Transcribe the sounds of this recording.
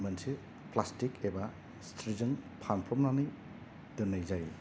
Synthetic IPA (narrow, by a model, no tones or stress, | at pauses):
mɐnsi | plastikʰeba | stʰɾizɯŋpʰanpʰɔmnanɯj | dunajzaj